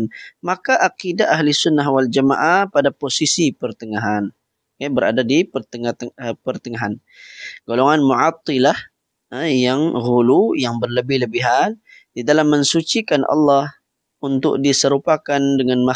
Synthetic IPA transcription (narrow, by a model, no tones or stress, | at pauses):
nmakaʔaqidaːɦlɪsʊnːaɦwald͡ʒama̰ʔapadaposisipərt̪əŋaɦan | kabəɾa̰dadipətəpərt̪əŋaɦan | ɡ̥oloŋanmuʕɑt̪ːilah | jaŋɣulujaŋbərləbɪhləbɪɦan | didalamːəŋsut͡ʃikanʔɑ̰lːɑh | unt̪ʊ̰k̚disəɾupakandəŋanma